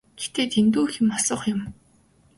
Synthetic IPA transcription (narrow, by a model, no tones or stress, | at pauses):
ɡ̥et̪eːt̪ʰent̪uːxĭmɔsɞ̆χjʊ̆m